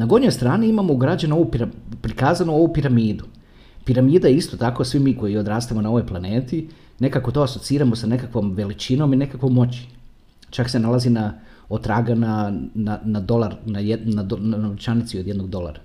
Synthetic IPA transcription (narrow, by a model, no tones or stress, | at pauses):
naɡoɲo̞jst̪ɾaːniimamouɡɾad͡ʑanoʋupiɾapɾikaːzanoo̞ʋupiɾamiːd̪u | piɾamiːd̪ajeist̪o̞t̪ako̞sʋimiːko̞jio̞d̪ɾaːst̪amo̞nao̞ʋo̞jplˠane̞ːt̪i | ne̞kako̞t̪o̞aso̞t̪siːɾamo̞sane̞kakʋo̞mʋe̞lit͡ʃino̞mine̞kakʋojmo̞t͡ɕi̥ | t͡ʃakse̞nalˠazina | ot̪ːɾaːɡanananad̪o̞lˠaɾnajnad̪onaot͡ʃanit̪siod̪je̞d̪noɡ̚d̪o̞lˠa̰ɾa